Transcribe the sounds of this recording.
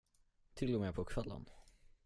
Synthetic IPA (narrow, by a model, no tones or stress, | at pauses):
t̪ʰɪlːɔmɛpʰɔkʰvɛlːə̰n